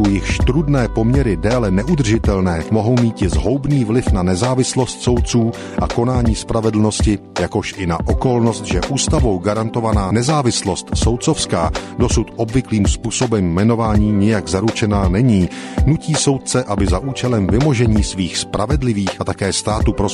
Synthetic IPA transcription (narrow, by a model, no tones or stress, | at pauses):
owjɪxʃt̪ɾudnɛːpo̞mɲɛɾɪdɛːlɛnɛʔud̪r̩ʒɪt̪ɛlnɛːmo̞ɦo̞wmiːt̪cɪzɦo̞wbniːvlɪfnanɛzaːvɪslo̞st̪so̞wt̪̚t͡suː | ʔako̞naːɲiːspɾavɛdl̩no̞scɪjako̞ʃʔɪnaʔo̞ko̞lno̞st̪ʒɛʔuːst̪avo̞wɡaɾant̪o̞vanaːnɛzaːvɪslo̞st̪so̞wt̪t͡so̞fskaːdo̞sut̪ʔo̞bvɪkliːmspuːso̞bɛmːɛno̞vaːɲiːɲɪjaɡzaɾut͡ʃɛnaːnɛɲiːnuciːso̞wt̪̚t͡sɛʔabɪzaʔuːt͡ʃɛlɛmvɪmo̞ʒɛɲiːsviːxspɾʔavɛdlɪviːxat̪akɛːst̪aːt̪uːpɾo